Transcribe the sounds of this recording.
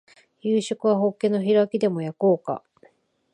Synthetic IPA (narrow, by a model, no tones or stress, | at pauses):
jɯːɕo̞kɯ̟βaɦo̞kːẽ̞no̞çiɾakʲid̪e̞mo̞jako̞ːka̰